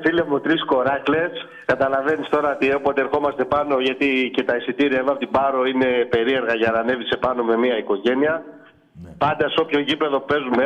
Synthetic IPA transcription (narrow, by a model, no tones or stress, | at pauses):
filemut̪ɾisko̞ɾɐkle̞s | kɐt̪ɐlɐve̞nist̪o̞ɾɐot̪iepot̪ee̞ɾxo̞mɐst̪e̞pɐno̞ʝɐt̪ice̞t̪ɐisit̪iɾiɐevɐfot̪ibɐɾo̞ine̞pe̞ɾie̞ɾɣɐʝɐnɐne̞vise̞pɐno̞me̞miɐiko̞ʝe̞niɐ | pɐnd̪ɐso̞pço̞ʝipe̞ðo̞pe̞zume